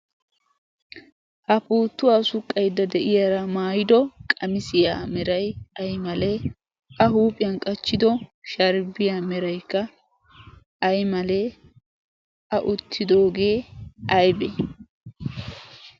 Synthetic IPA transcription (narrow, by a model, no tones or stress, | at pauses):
hɐpuːt̪ːʊwaːsʊkʼːɐjd̪ːɐd̪ɛʔɪjɐɾɐmaːjɪd̪ɔkʼɐmɪsɪjaːmɛɾɐjɐjmɐlɛ | ɐɦuːpʼːɪjɐnkʼɐt͡ʃːɪd̪ɔʃɐɾbɪjaːmɛɾɐjkːɐ | jmɐle | ɐʔʊt̪ʰːɪd̪o̞ːɡe̞ːɐjbɛ